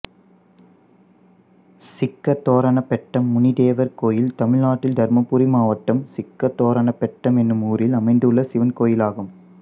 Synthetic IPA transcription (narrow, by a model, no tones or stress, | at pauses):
sɪkːɐɾt̪oːɾɐɳɐpːɛʈːɐmːʊnɪd̪eːʋɐɾkoːjɪlt̪ɐmɪɭnaːʈːɪld̪ɐɾmɐpːuɾimaːʋɐʈːɐmsɪkːɐɾt̪oːɾɐɳɐpːɛʈːɐmɛnːɯmuːɾɪlɐmɐɪnd̪ɯɭːɐsɪʋɐnkoːjɪlaːɣɯm